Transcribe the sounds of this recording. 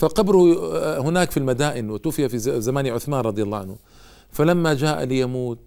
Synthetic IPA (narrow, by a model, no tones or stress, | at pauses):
faqɑbɾʊhʊnaːkfilmad̪aːʔɪnwɪt̪uːfɪjafizamaːniʕʊθmaːnɾˤɑd̪ˤɨjalˤːɑːʕanhʊ | falamːad͡ʒaːʔalɪjamuːt̪̚